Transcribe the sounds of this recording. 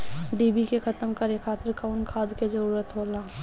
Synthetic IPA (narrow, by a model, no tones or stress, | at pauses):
ɖiːbikekʰɐt̪əmkɐɾekʰːaːt̪əɾkaʊnkʰaːd̪ʱked͡ʒəɾuːɾət̪ɦoːlaː